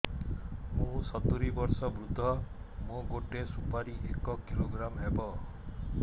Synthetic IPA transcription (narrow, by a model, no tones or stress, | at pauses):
mũsɔt̪uɾibɔɾsɔbɾud̪ʱɔ | mõɡoʈesupaɾiʔekɔkiloɡɾamɦebɔ